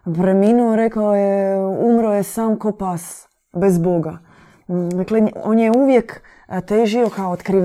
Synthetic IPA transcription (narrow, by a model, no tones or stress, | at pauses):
pɾeminuoɾekaojeumɾojesaːmkopas | bezboɡa | d̪akleonjeuʋjek | t̪eːʒiokaoot̪kɾiʋ